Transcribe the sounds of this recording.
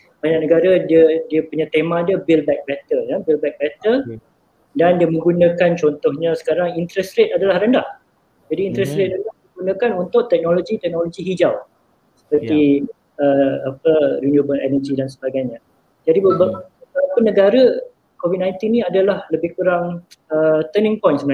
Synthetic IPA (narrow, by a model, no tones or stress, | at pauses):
baɲaʔ̚nəɡaɾədiədiəpuɲat̪emãdiəbilbɛk̚bɛt̪əljabilbɛk̚bɛt̪ə | dandiəmə̃ŋɡunə̃kant͡ʃɔnt̪ɔhɲãsə̥kaɾaŋint̪ɾɛsɾet̪adalahrəndaʔ | d͡ʒadiːnt̪ɾɛsɾet̪̚əndahdəɡunə̃kanunt̪ʊʔt̪ɛk̚noloɡit̪ɛk̚noloɡiɦid͡ʒaw | sə̥pərt̪i | əap̚əɾinjubəlɛ̰nəd͡ʒidansəbaɡajɲa | d͡ʒadiəbəəsalapənːəɡaɾə | kovit̚nãjnt̪inːĩadalahləbɪhkuɾaŋət̪ənɪ̃ŋpɔjnsəm